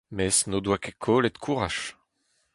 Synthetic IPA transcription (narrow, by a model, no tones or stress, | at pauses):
mɛsnod̪wakekʰoːlet̪kʰuʁaʃ